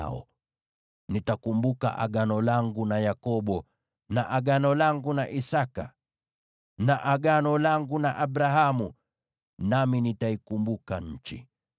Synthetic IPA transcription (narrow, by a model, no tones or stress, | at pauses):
ɔ̰ | nitakumbuka̰ʔa̰ɡanɔlaŋɡunajakɔɓɔ | na̰ʔaɡanɔlaŋɡunaʔisaka | naʔaɡanɔlaŋɡunaʔabɾaɦamu | naminitaikumbukaɲ̩t͡ʃḭ